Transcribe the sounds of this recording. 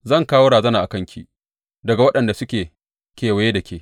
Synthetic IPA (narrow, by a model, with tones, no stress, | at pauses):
zɐ˦˨ŋkaː˦woː˦ɽaː˨zɐ˦naː˨ʔa˨kɐ˦ŋkʲḭː˨ | dɐ˨ɡa˨wɐ˦ɗɐ˨nda˨sʊ˦kʲeː˨ | kʲeː˨wa˨jeː˦dɐ˨kʲʰeː˨